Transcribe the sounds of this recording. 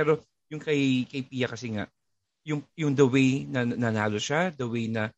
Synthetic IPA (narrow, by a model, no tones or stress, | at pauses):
pɛːɾo̞ | jʊŋkɐjkɐjpiːjɐkɐsɛŋa̰ʔ | jʊŋjʊŋd̪ɐwɛjnɐnɐnaːloʃad̪ɐwɛjnɐ